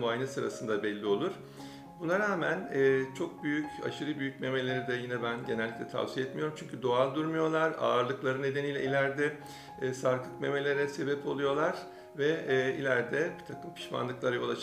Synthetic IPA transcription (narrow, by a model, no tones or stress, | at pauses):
vajnɯsɯɾa̰sɯnd̪abɛlʲːio̞lˠuɾ̥ | bunaɾaːmænɛːt͡ʃʰo̞k̚byjyca̰ʃɯɾɯbyjyc̚me̞me̞lʲe̞ɾid̪ɛjinɛbænɟe̞nɛlʲːiclʲɛt̪ʰa̰vsijɛt̪mijo̞ɾumt͡ʃʰyɲcʰyd̪o̞alˠd̪uɾmujo̞lˠaɾa̰ːɾlˠɯklˠaɾɯne̞d̪e̞niːlʲɛ̰ilʲæɾd̪ɛ | saɾk̪ʰˠɯkme̞me̞lʲe̞ɾɛse̞bɛpʰo̞lˠujo̞lˠaɾ̥ | vɛːḭlʲæɾd̪ɛbit̪ʰakʰɯmpʰi̥ʃma̰nlˠɯklˠaɾajo̞lˠa